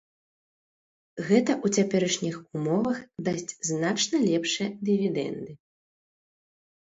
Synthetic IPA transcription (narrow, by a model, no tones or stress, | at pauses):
ɣɛt̪ɐʔut͡sʲapʲɛɾɐʂnʲixumɔvɐxd̪asʲd͡zʲznat͡ʂnɐlʲɛpʂɨjɛd̪ɨvʲid̪ɛ̰nd̪ɨ